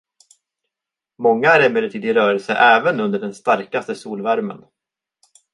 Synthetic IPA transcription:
mɔŋːaæɾɛmeːd̪əʈ̪ʰiːd̪ɪɾœːɾɛlsə̰ʔɛːvənɵnd̪əɖɛnst̪aɾkast̪əsuːlvæɾmə̰n

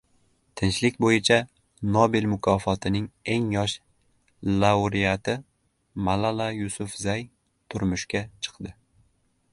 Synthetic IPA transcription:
t̪ʰɪnt͡ʃlɪkʲbojɪt͡ʃʰa | nobilmʊkʰɒfɒt̪ʰɪnɪŋe̞ŋjɒʃ | lawɾijat̪ʰɪ | malalajʊsʊfzaj | t̪ʰʊɾmʊʃkʲat͡ʃʰɨ̥qd̪ɪ

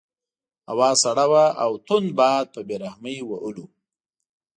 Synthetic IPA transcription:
a̰wɑːzaɽawaʔawt̪ʊnbɑd̪̚pəbeɾahməjwaʔulu

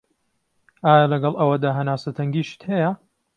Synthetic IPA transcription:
ʔaːjalɐɡɐlˠʔɐwɐd̪aːɦɐnaːsɐt̪ʰɐŋɡiːʃɨ̥t̪hɛjɐ

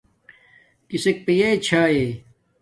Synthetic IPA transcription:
kisek̚pijet͡ɕʰaːe

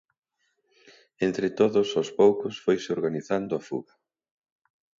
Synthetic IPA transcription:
ent̪ɾɪt̪oðʊsospowkʊsfojsɪoɾɣaniθand̪ʊafṵɣɐ

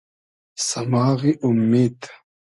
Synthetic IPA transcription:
sɐmaːɣiʔumːiːd̪

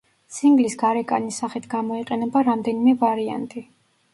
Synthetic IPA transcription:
siŋɡlisɡaɾɛkʼa̰nisaχit̪ʰɡamɔiqʼɛnɛbaɾamd̪ɛnimɛvaɾia̰nt̪ʼi

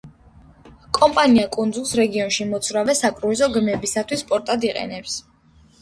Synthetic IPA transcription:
kʼɔmpʼaniakʼund̪zulˠsɾɛɡiɔnʃimɔt̪sʰvɾavɛsakʼɾuizɔɡmɛbisat̪ʰwispʼɔɾt̪ʼad̪iqʼɛ̰nɛps

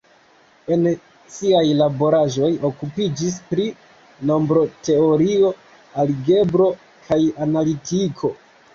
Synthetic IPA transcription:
e̞n | siajlabo̞ɾaʒo̞jo̞kupid͡ʒis̬pɾi | no̞mbɾo̞te̞o̞ɾio̞ | alɡe̞bɾo̞ | kʰajanalitikʰo̞

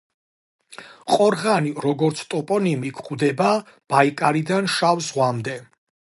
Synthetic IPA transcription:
qʼɔɾʁaniɾɔɡɔɾt̪sʰt̪ʼɔpʼɔnimikʰχʼwd̪ɛba | b̥aikʼaɾid̪anʃavzʁwamd̪ɛ

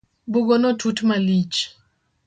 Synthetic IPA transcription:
buɡɔnɔtʰutmalit͡ʃ

